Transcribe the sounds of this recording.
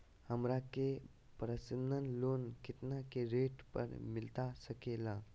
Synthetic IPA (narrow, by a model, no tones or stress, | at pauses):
həmɾake | pɾəsənənlonkit̪nakeɾeʈpə̰ɾmilt̪asəkela